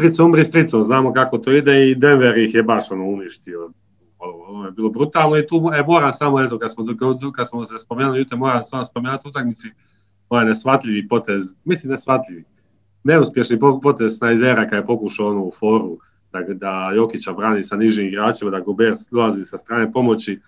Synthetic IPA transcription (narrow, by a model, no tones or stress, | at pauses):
st̪ɾit̪soumɾist̪ɾit̪soznaːmo̞kako̞t̪oːid̪eid̪e̞nʋeɾixjebaʃo̞no̞ːuniʃt̪io̞ | oonojebiːlˠo̞bɾut̪aːlˠnoit̪uːemo̞ːɾamsamo̞et̪okad̪smokkad̪smosespomeːnulijut̪emo̞ːɾamsamospomenuat̪ut̪akmit̪si | oʋajnesʋat̪ʎʲiʋipo̞t̪ezmislinesʋat̪ʎʲiʋi | ne̞uspje̞ʃnipopo̞t̪e̞zsnaid̪eːɾakad̪jepo̞kuʃaonoːufo̞ːɾu | d̪̥ad̪ajo̞kit͡ɕabɾaːniːsaniʒiːmiɡɾaːt͡ʃimad̪aɡobeɾd̪olˠazisast̪ɾaːnepo̞mo̞t͡ɕi